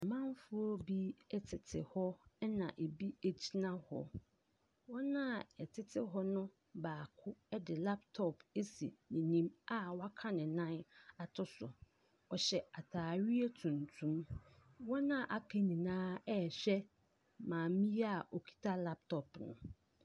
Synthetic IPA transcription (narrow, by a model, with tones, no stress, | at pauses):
mã˦m˦fʊ˦ɔ˦bi˦˨tʰɪ˨tʰɪ̰˨hɔ˦ɛ˦nã̰˨ʔe˨bi˦e˨d͡ʑi˦nã˦hɔ̰˦ | wɔ˦nã˦˨ɛ˨tʰɪ˦tʰɪ˦ɦɔ˦nʊ̃˦ | baː˨kʰʊ˦ɛ˦dɪ˨la˦ptʰɔ˨pʰe˦si˨nĩ˨nĩ˦ma˦wa˦kʰã˦nɪ̃˨nã˦na˨tʰʊ˦sʊ̰˨ | ɔ˨ɕɛ˨a˨tʰaː˨ɥi˦e˦tʰũ˨ntʰũ˦mwɔ˦nã˦˨ʔa˨kʰe˨nĩ˨nãː˦ɛ˦˨ɕᶣɛ˦ | mãː˨mĩ˦ja˦˨ʔo˨kʰi̥˦tʰa˦la˦p̚tʰɔ˨pnʊ̰̃˨